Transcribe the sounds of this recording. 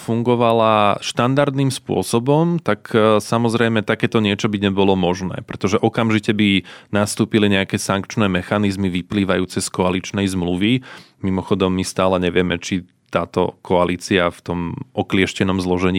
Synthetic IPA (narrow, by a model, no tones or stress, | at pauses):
fuŋɡɔʋalaʃt̪and̪aɾd̪nimspʊɔ̰sɔbɔmt̪aksamɔzɾɛjmɛt̪akɛːt̪ɔɲɪɛt͡ʃɔbiɲɛbɔlɔmɔʒnɛ̰ːpɾɛt̪ɔʒɛʔɔkamʒicɛbinast̪uːpiliɲɛakɛsaŋkt͡ʃnɛːmɛxanizmiʋipliːʋajuːt͡sɛskɔalit͡ʃnɛjzmluʋi | mimɔxɔd̪ɔmːist̪aːlɛɲɛʋɪɛmɛt͡ʃi | t̪aːt̪ɔ̰kʰɔaliːt͡siaft̪ɔmʔɔklɪɛʃcɛnɔmzlɔʒɛɲiː